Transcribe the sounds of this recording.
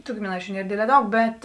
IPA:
tʊ ɡʲɪmʲɪˈnɐɪt͡ʃʲʊ ˈnʲiɛr ˈdʲeːdʲlʲɛː ˈdɐʊk ˈbʲɛt

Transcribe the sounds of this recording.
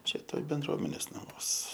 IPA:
ˈt͡ʃʲɛ ˈtoːj bʲɛnˈdruɔmʲɛnʲeːs nɐˈmuɔs

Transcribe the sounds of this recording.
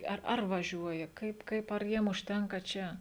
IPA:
ˈɐr ˈɐr ʋɐˈʒʲuɔjɛ ˈkɐɪp ˈkɐɪp ɐr ˈjiɛm ʊʃʲˈtʲɛŋkɐ ˈt͡ʃʲɛ

